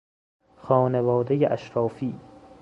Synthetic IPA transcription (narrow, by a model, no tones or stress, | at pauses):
xɒːnevɒːd̪ejeʔæʃɾɒːfiː